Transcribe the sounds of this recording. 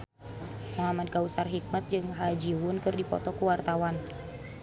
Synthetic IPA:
mɔɦamankausarɦik̚mat̪̚d͡ʒɨŋɦad͡ʒiwʊnkɨrdipɔ̰t̪ɔkuwart̪awan

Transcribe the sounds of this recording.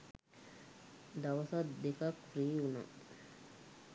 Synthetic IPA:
dawasadekakuɾijuna̰

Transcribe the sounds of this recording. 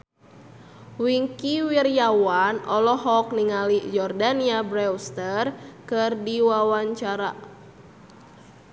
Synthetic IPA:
wiŋkiwirjawanɔlɔɦɔk̚niŋalid͡ʒɔrdaniabɾɛwst̪ərkɨrdiwawaɲt͡ʃaɾa̰

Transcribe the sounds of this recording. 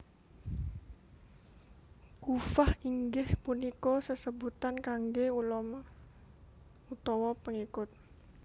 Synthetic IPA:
kufahiŋɡɪhpunikɔsəsəbut̪ankaŋɡeulɔm | ut̪ɔwɔpəŋikʊt̪̚

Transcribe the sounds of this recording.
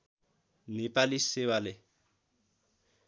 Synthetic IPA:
nɪpʼalɪsɪwalɪ

